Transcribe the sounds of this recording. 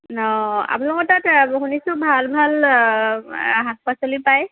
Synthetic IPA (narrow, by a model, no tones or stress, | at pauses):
nɔa̰punlɔkɔtatɦunisʊbʱalbʱal | ɦapasolipaj